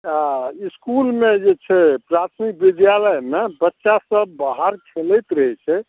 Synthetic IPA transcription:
aiskulmed͡ʒet͡ʃʰɛpɾat̪ʰmik̚bid̪jaləjmebətːʃasəbːaɦaɾkʰelɛjt̪ɾəɦɛt͡ʃʰɛ

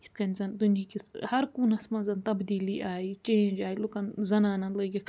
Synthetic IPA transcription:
it̪kɐnʲzɐnd̪unjakishɐɾkuːnɐsmɐnzɐnt̪ɐbd̪iːliʔaːit͡ʃeːnd͡ʒaːilukɐnzɐnaːnɐnlɐɡi

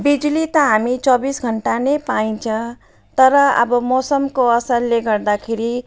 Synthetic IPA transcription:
bid͡zulit̪ʌɦamit͡sʌbisɡʱʌɳʈanepaĩt͡sʰʌ̃ | t̪ʌɾʌʌ̰bʌmosʌmkoʌsʌɾleɡʌɾd̪akʰeɾi

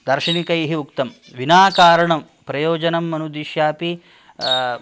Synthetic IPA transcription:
d̪ɐɾʂiɳikɐjɦiukt̪ɐm | ʋinaːkaːɾɐɳɐm | pɾɐjoːd͡ʒɐnɐmːɐnud̪iʃjaːpi

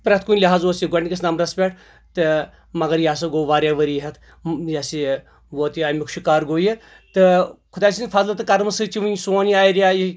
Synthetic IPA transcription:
pɾɐt̪ʰkunʲlʲɐɦaːzoːsiɡɐɳʲkɐsnaːmɾɐspʲeʈʰ | t̪ɨ | mɐɡɐɾjaːsɐɡoːʋaːɾʲjaːʋɐɾiːɦɐt̪ʰ | jasi | ʋoːt̪iamʲikʃikaːɾɡoːji | t̪ɨkʰʊd̪aːsinfʰaːzlɨt̪ɨkɐɾmɨsɨt͡ʃiʋɨnsoːniaːjɾjaːji

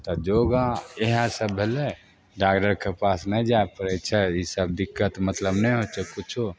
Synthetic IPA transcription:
t̪ɔd͡ʒoɡaeɦãsəbʱːele | ɖakʈəɾkepasnəĩd͡ʒaepəɾet͡ʃʰɛjisəb̚d̪ɪkːət̪mət̪ləbnɛjɦot͡ʃʰɛkʊt͡ʃʰu

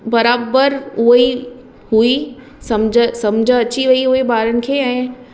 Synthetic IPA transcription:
bɐɾaːbəɾʊɦi | hui | sɐmd͡ʑʱəsɐmd͡ʑʱəɐt͡ɕiʋɐiɦuɦebaːɾənɪ̆kʰeːɛ̃ː

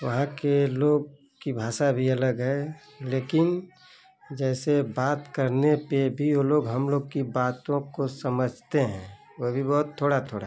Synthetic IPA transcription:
ʋəɦãkeloːɡ̚ | kibʱaːʃabʱiɐləɡɦɛ | leːkɪn | d͡ʒɛːsebaːt̪kəɾnepebʱijoloːɡɦəmloːɡkibaːt̪õkosəməd͡ʒʱt̪eɦɛ̰̃ː | ʋobʱibɔɦʊt̪ʰːoːɽat̪ʰoːɽa

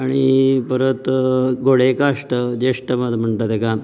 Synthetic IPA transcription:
aɽ̃ipəɾət̪ɡoɭekaʂʈəd͡ʑeʂʈəməd̪ʱm̤əɳʈ̪at̪eka

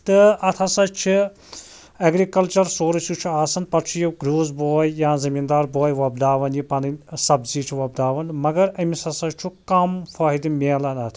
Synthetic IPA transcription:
t̪ɨɐt̪ʰɐsɐt͡ʃʰi | ɐɡɾikɐlt͡ʃɐɾsoːɾɐsjut͡ʃʰiaːsɐnpɐɾt͡ʃʰujiɡɾoːzboːjjãːzɐmiːnd̪aːɾboːjʋɐbd̪aːʋɐnjipɐnɨnsɐbziːt͡ʃʰiʋɐbd̪aːʋɐnmɐɡɐɾɐmisɐsɐt͡ʃʰukɐmfaːɦid̪imʲeːlɐnɐt̪ʰ

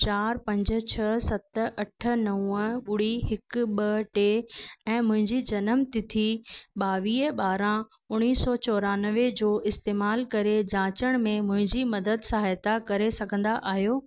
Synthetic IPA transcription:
t͡ɕaːɾpɐ̃ɲd͡ʑ̆t͡ɕʰɐsɐt̪ʔɐʈʰə̆nɐw̃ə̃ɓʊɽiɦɪkɓɐʈeːɛ̃ːmʊ̃ɦɪ̃ɲd͡ʑid͡ʑɐnəmt̪ɪt̪ʰiɓaːʋiːəɓaːɾã | ʊɽ̃iːsɔːt͡ɕɔːɾaːnəʋed͡ʑoːʔɪst̪eːmaːlkɐɾed͡ʑãːt͡ɕəɽ̃mẽmʊ̃ɦɪ̃ɲd͡ʑimɐd̪əd̪saːɦet̪akɐɾesɐɡʱə̃nd̪aʔaːɦijoː

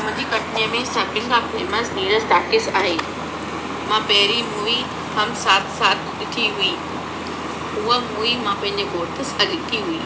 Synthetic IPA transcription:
mʊ̃d͡ʑikɐʈnijəmẽsaːkɪlkãfeːməsniːɾəst̪aːkɪsaːɦeː | mãpɐɦɪɾimuːi | hɐmsaːt̪ʰsaːt̪̚ʰɗɪʈʰiɦuiː | ʊɦəmuːimãpɐ̃ɦɪ̃ɲ̆d͡ʑeɡoːɾt̪ɪsɐlɪkʰiɦuiː

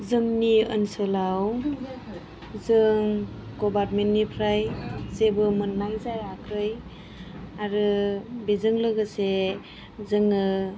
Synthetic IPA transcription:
zɯmniɯ̰nsɯlaw | zɯŋ | ɡobaɾmentnipʰɾajzebɯmɯnːajzajakʰɯj | aɾɯbezɯŋlɯɡɯse | zɯŋɯ

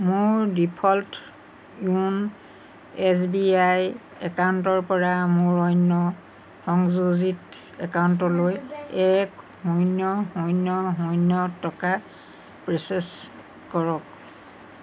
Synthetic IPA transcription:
mʊɹdipʰɔlt | jun | ɛsbiaj | ɛkawntɔɹpɔɹamʊɹɔjnːɔ | xɔŋzuzit | ɛkawntɔlojɛk | hɔjnjɔhɔjnɔɦɔjnjɔtɔka | pɹeses | kɔɹɔk̚

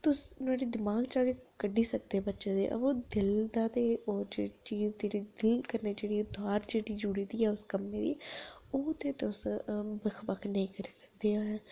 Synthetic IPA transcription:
t̪ʊsnaːɖiːd̪ɪmaːɡt͡ʃaːkeːkəɖiːsəkd̪eːbətːʃẽːd̪ḛːʔə̰boːd̪ɪld̪aːt̪eːoːd͡ʒḛːɽiːt͡ʃiːzd̪eːɽiːd̪ɪlkəɾneːd͡ʒeːɽiːʊd̪aːɾd͡ʒeːɽiːd͡ʒuɽiːd̪iːɛːʊskəmːẽːd̪ḭːoːt̪eːt̪ʊsbəkʰbəkʰnəĩːkəɾiːsə̥kd̪eːaːɛː

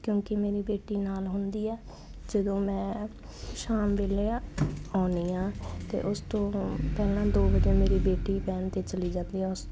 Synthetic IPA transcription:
kjõːkɪmeːɾiːbeːʈiːnaːlɦʊnd̪iːɛː | d͡ʒəd̪õːmɛ̃ː | ʃaːmʋeːleãːaːniːãːt̪ḛːʔʊst̪õːpɛːlãːd̪oːbəd͡ʒeːmeːɾiːbeːʈiːpɛːnt̪eːt͡ʃəliːd͡ʒãːnd̪iːɛːʊs

